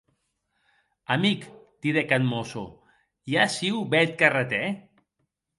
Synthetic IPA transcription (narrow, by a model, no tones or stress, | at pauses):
amikt̪iðekanmoso | jasiwbɛt̪̚karat̪ɛ